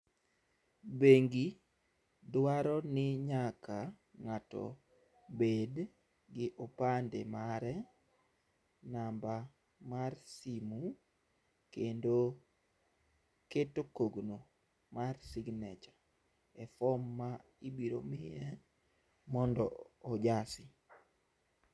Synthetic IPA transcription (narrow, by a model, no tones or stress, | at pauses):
beŋɡi | dwaɾɔnɪɲakʰa | ŋatɔ̰ | bed | ɡɪʔopandḛmaɾɛ | namba | marsimu | kendo | ketokoɡno | marsiɡnɛt͡ʃḁ | ɛfɔmːa | ibiɾo̰mɪjɛ | mɔndɔːd͡ʒasɪ